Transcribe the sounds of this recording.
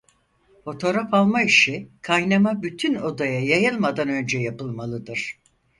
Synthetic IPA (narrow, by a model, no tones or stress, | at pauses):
fo̞t̪ʰo̞ɾafalˠmaiʃikʰajnamabyt̪ʰyno̞d̪ajajajɯlˠmad̪anø̞nd͡ʒɛjapɯlˠmalˠɯd̪ɯɾ̥